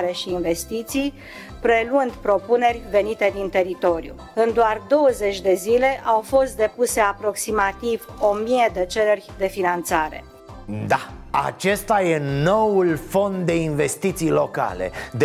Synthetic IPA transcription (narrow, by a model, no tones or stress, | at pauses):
ɾe̞ʃiːnve̞st̪it̪sij | pɾe̞lwɨnd̪pɾo̞pune̞rʲve̞nit̪e̞d̪int̪e̞ɾit̪o̞ɾjṵ | ɨnd̪oard̪o̞wəze̞t͡ʃʲd̪e̞zile̞ʔawfo̞st̪̚d̪e̞puse̞apɾo̞ksimat̪ivo̞mijed̪e̞t͡ʃe̞lerʲd̪e̞finant̪saɾe̞̰ | d̪aa̰t͡ʃe̞st̪aje̞no̞wulfo̞nd̪d̪e̞inve̞st̪it̪sijlo̞ka̰le̞̰d̪